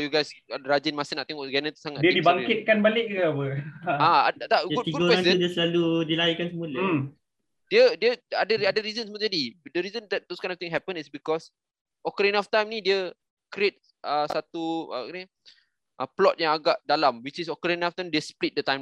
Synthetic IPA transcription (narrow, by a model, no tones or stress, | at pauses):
juɡajsɾad͡ʒinmasinaʔt̪ɛŋɔʔɡɛnə̃t̪u̥saŋat̚diədibaŋkɪt̪̚kanbalɪk̚ɡaapəaadt̪aɡud̚t̪iɡaoɾɛaŋudiəsəlaludilaikansəmulə | diədiəadəadəɾizə̃nsmut̪ədidəɾizə̃ndɛt̚doskãj̃nɔft̪ĩŋɦɛpə̃nisbikɔs | ʔɔkəɾinɔft̪ãjmnidiə | kɾiet̚ | ʔəsat̪uə̰kn | ʔəplɔt̚jãŋaɡaʔdalamwit͡ʃisɔkəɾinaft̪ãjmdiəsplit̚dət̪ãjm